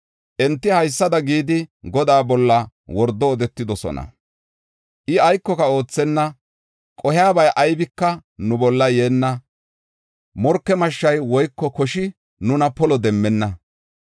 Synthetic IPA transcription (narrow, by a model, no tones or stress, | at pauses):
ʔɛnt̪ːɪhɐjsːɐd̪ɐɡiːd̪ɪɡɔd̪aːbɔlːɐ | wɔɾd̪ːɔːd̪ɛt̪ːɪd̪ɔsɔ̰nɐ̰ | ʔɪɐjkːɔkɐo̞ːt͡sːɛnːɐ | kʼɔhɪaːbɐjʔɐjbɪkːɐnʊbɔlːɐjeːnːɐ | mɔɾkːɛmɐʃːɐjwɔjkːɔkɔʃɪ | nʊnɐpɔlɔd̪ɛmːɛnːɐ